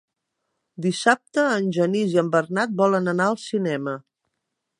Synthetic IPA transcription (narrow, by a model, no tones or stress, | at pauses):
d̪isap̚t̪əːnʲʒəniziəmbərnat̪̚bɔlənənaəlˠsinɛmə